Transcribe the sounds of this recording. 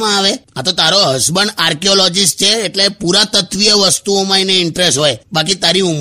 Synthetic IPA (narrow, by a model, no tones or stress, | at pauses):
mãaʋeat̪ot̪aɾoɦəsbəɳaɾkeolɔd͡ʒist͡ʃʰeːʈlepuɾat̪ət̪ʋijəʋəst̪uomãineɪɳʈɾesʈɦojbakit̪aɾium